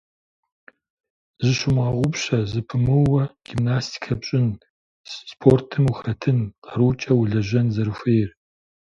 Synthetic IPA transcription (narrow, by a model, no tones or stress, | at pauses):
zɨʃʊmʁɐʁʷʊpɕɐzɨpʰɨmɨwɐɡ̥imnaːstʰi̥kʰɐpɕʼɪn | sspʰortʰɨmuxɐtʰɨnqɐɾut͡ʃʼɐwʊɮɐʒʷɐnzɐɾɨfʷejr